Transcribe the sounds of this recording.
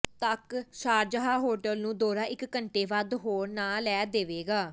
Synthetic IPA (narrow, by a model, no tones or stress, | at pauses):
t̪əkʃaːɾd͡ʒəɦaːɦoːɾʈəlnũːd̪oːɾãːʔɪkːəɳʈeːʋəd̪ɦoːɾnaːlɛːd̪eːʋeːɡaː